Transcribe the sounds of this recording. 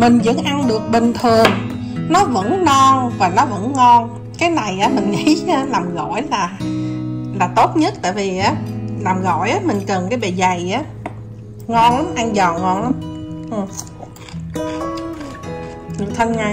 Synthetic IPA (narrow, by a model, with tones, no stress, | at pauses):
mï˨˩ŋ̟zə̰˧˥nʔa˧nɗɨ˨˩ək̚ɓï˨˩ŋ̟t̪ʰɨ˨˩əŋ | nɔ˨˦və̰˧˥nːɔ˧nvaː˨˩nɔ˨˦və̰˧˥nŋɔ˧n | kaː˨˦jna˨˩jʔaː˨˦mï˨˩ŋ̟ŋḭ˧˥a˧˦laː˨˩mɣɔ̰˧˨jlaː˨˩ | laː˨˩t̪o˦˥t̚ɲə˦˥t̚t̪a̰ː˧˨jvi˨˩ʔaː˨˦laː˨˩mɣɔ̰˧˨jʔaː˨˦mï˨˩ŋ̟kə˨˩nkaː˨˦jɓe˨˩za˨˩jʔaː˨˦ | ŋɔ˧nla˨˦mʔa˧nzɔ˨˩nŋɔ˧nla˨˦mʔɨ˨˩ | ɲɨ˨˩t̪ʰə˧nŋa˧˩j